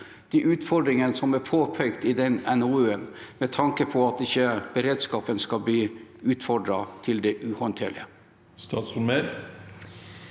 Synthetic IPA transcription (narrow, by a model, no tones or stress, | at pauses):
d̪̥iʔʉːt̪fɔɖɾɪŋənəsɔmæɾpʰoːpʰœʏɡt̪ɪd̪ɛnɛnuʉənmɛt̪ʰɑŋkəpʰɔɑt̪ɪçəb̥əɾeːd̪skɑːpənskɑbliːʉːt̪fɔɖɾɑt̪ʰɪld̪ɛʔʉhɔnt̪ʰḛːɭɪə | st̪ɑːt̪sfʊnmeːɾ